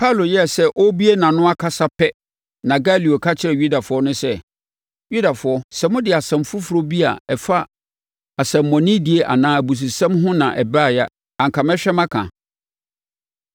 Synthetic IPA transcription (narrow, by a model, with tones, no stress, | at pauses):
pʰa˦˨lo˨jɛ˦˨sɛ˦ʔɔ˦bi˦e˦nã˨nʊ̃˦a˦kʰa˦sa˦pʰɛ˦ | nã˨ɡa˦li˨o˨kʰa˦t͡ɕʰɪ˦ɾɛ˨ɥu˦da˨fʊ˨˦ɔ˦nʊ̃˦sɛ˦ | ɥu˦da˨fʊ˨˦ɔ˦sɛ˨mʊ̃˦dɪ˨a˨sɛ̃˨mfu˦fʊ˨ɾo˦bi˦a̰˨ɛ˨fa˦ | a˨sɛ̃˨mːɔ̃˨nĩ˦di˨e˦ʔa̰˨nãː˦æ˨bu˨s̬u˨sɛ̃˦mɦʊ̃˦nã˨ʔɛ˨bɾa˦˨ja˦ | ã˨ŋ̩˨kʰã˨mɛ̃˦ɕᶣɛ˦mã˦kʰã̰˨